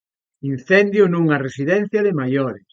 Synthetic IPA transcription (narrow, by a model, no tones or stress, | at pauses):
in̟θɛnd̪jʊnũŋaresiðɛn̟θjɐðemajoɾes